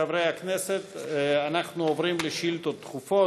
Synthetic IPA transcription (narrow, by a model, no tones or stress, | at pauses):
avɾejhakneset̪anaχnuovɾimleʃilt̪ot̪ːχufo